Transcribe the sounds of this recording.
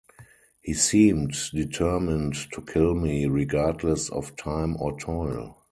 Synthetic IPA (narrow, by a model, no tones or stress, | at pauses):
hiːsĩːmtditʰɜ˞mɪ̃nttʰukʰɪlmiɹiɡadlɛsɔ̰ftʰãɪ̃mɔ̰tʰɔɪl